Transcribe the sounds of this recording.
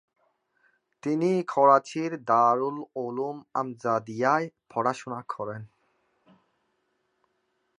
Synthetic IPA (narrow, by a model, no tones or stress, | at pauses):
t̪inikʰɔɾat͡ɕʰiɾd̪aɾulolumamzad̪ijaepʰɔɽaʃunakʰɔɾen